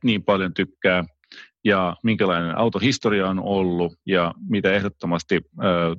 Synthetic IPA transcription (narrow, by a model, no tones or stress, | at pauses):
niːmpɑljont̪ykːæː | jɑmiŋkælɑinenʔɑ̰wt̪ohist̪oɾiɑonolːujɑmit̪æeɦdot̪ːomɑst̪iəː